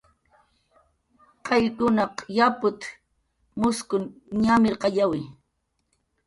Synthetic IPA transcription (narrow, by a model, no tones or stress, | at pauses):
qɑjkʊnɑqjapʊt̪ | mʊskʊnɲamɪɾqɑʎawɪ